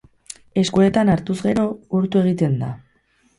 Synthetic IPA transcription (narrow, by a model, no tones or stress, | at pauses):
e̞skue̞t̪anaɾt̪uzɣe̞ɾo̞uɾt̪ue̞ɣ̞it̪e̞nd̪a̰